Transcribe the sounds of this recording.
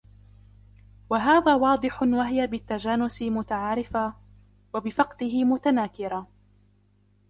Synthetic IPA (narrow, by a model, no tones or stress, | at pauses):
waɦaːðaːwɑːd̪ˤɨħʊnwaɦɪjabɪt̪ːad͡ʒaːnːʊsɪmʊt̪aʕaːɾɪfa | wabɪfɑqt̪ɪɦɪmʊt̪anaːkɪɾa